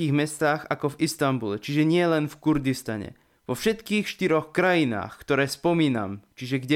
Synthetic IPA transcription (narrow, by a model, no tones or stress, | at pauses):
iːɣmɛst̪aːxakɔvist̪ambulɛt͡ʃiʒɛɲɪɛlɛnfkuɾd̪ist̪a̰ɲɛ̰ | ʋɔfʃɛt̪kiːxʃt̪iɾɔxkɾajina̰ːxkt̪ɔɾɛːspɔmiːna̰mt͡ʃiʒɛɡɟɛ